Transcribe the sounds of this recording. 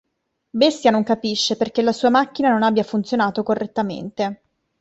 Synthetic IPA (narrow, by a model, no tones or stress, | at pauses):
best̪janoŋkapiʃːeperkelːasuːamakːinanonabjafunt̪sjonaːt̪okorːet̪ːamḛnt̪e